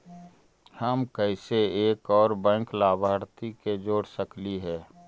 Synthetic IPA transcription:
həmkɛɪseeːkɔːɾbɛ̃ːŋklaːbʱaːɾt̪iked͡ʒoːɽsəkliɦɛː

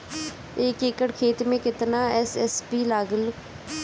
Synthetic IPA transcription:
ɪkɪkəɽkʰeːt̪mẽːkɪt̪naːɛsɛːspiːlaːɡəl

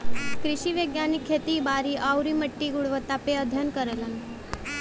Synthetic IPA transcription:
kɾiɕiːʋəɡjanikʰːet̪iːbaɾiːʔawɾiːməʈːiːɡuɽʋət̪apeəd̪ʱjənkəɾələn

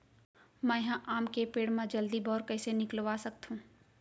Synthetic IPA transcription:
mɛ̃ɦãʔaːmkepeːɽmãd͡ʒɐld̪ibɔːɾkɛːsenɪklʋaːsɐk̚t̪ɦũː

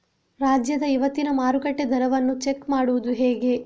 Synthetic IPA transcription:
ɾaːd͡ʒjɐd̪ɐiʋɐt̪ːinɐmaːɾukɐʈːed̪ʱɐɾɐʋɐnːut͡ʃekmaːɽuʋud̪uɦeːɡe̞

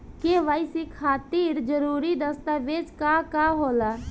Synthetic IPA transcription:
keʋaːɪsikʰaːt̪iːɾd͡ʒəɾuːɾid̪əst̪aʋeːd͡ʒkakaɦoːla

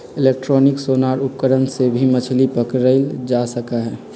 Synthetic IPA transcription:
ɪleːk̚ʈɾɔnɪksoːnaːɾʊp̚kəɾənsebʱimət͡ʃʰlipəkɾəɪld͡ʒasəkaɦɛː

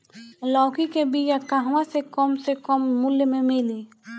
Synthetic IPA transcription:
lɔːkikebiːt͡ʃəkːaɦʋãsekɔːmsekɔːmːʊljəmẽmɪli

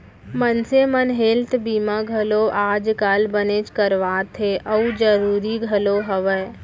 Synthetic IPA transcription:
mənsemənɦeːlt̪biːmaɡʱəloʔaːd͡ʒkaːlbənet͡ʃkəɾʋaːt̪ʰeʔəud͡ʒəɾuːɾiɡʱəloɦəʋə

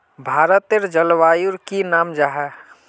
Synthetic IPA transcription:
bʱaːɾət̪eɾd͡ʒəlʋaːjuɾkinaːmd͡ʒaːɦɛ

